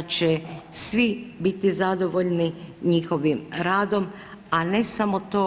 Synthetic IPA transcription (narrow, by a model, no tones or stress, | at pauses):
t͡ɕesʋibit̪izad̪o̞ʋoʎniɲiːxo̞ʋimɾaːd̪o̞m | ane̞samo̞t̪o̞ː